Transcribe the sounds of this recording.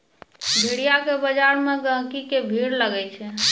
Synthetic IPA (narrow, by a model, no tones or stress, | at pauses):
bʱiɽijakebəd͡ʒaɾmeɡə̃ɦkikebʱiɽləɡɛt͡ʃʰɛ